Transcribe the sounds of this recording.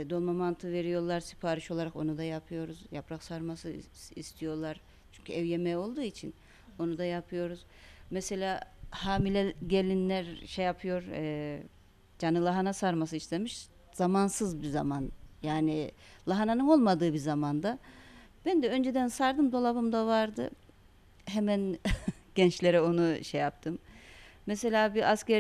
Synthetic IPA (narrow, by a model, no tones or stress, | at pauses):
d̪o̞lˠmamant̪ʰɯve̞ɾijo̞lˠaɾsi̥pʰaːɾiʃo̞lˠaɾako̞̰nud̪ajapʰɯjo̞ɾuzjapɾaksaɾmasɯist̪ʰijo̞lˠaɾ | t͡ʃʰyɲcʰyɛvjemɛjo̞lˠd̪uːit͡ʃʰin | o̞nud̪ajapʰɯjo̞ɾuz̥ | mese̞lʲaːhaːmilʲɛɟelʲinlʲæɾʃejapʰɯjo̞ɾɛː | d͡ʒanɯlˠaɦanasaɾmas̬ɯist̪ʲe̞miʃ | z̥amansɯzbizamanjaːnilˠaɦananɯno̞lˠmad̪ɯːbizamand̪a | b̥ænd̪ɛø̞nd͡ʒe̞d̪ænsaɾd̪ɯmd̪o̞lˠaβɯmd̪avaɾd̪ɯ̰ | ɦemænɟ̥ɛnt͡ʃlʲe̞ɾɛo̞nuʃejap̚t̪ʰɯmː | ese̞lʲaːbiʔascæɾ